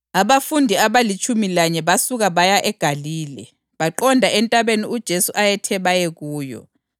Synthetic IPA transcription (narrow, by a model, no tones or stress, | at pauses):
aβafundʱiaβalit͡ʃʰʼumilaɲɛβasuɣaβajaʔɛɡ̥ʱaliːlɛ̰ | βaǃɔndʱaɛntʼaβeniud̥ʒ̥ʱesuʔajɛtʰɛβajeɣuːjɔ̰